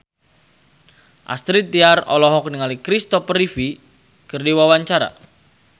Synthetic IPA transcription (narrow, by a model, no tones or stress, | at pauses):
ʔa̰st̪ɾit̪iarɔ̰lɔɦɔkniŋalikɾist̪ɔpərifi | kɨrdiwawaɲt͡ʃaɾa̰